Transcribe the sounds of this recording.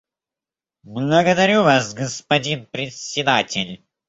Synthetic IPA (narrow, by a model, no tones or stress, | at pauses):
blˠəɡəd̪ɐɾʲuvasɡəspɐdʲinpɾʲɪtsʲɪd̪atʲɪlʲ